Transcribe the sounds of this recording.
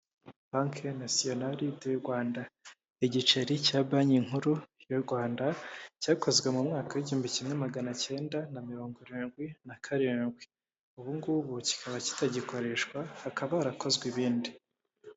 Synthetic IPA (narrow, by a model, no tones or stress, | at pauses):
baŋkʰenasio̞nalidejuɾɡwaːnda | iɟit͡ʃeɾicaːbaɲiŋ̥uɾujoɾɡwaːndacaːko̞zɡwe̞mumŋaːkawiɟiuːmbicimŋe̞maɡanace̞ːndanamiɾo̞ːŋɡoɾiːnɡwinakʰaɾiːnɡwi | uβuŋɡuβuci̥kʰaβaci̥taɟiko̞ɾe̞ʃkwahːkaβaːɾako̞zɡwiβiːndi